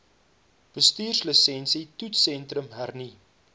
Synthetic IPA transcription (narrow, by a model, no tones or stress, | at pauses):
b̥əstyːrsləsɛnsitutsɛntrəmɦærni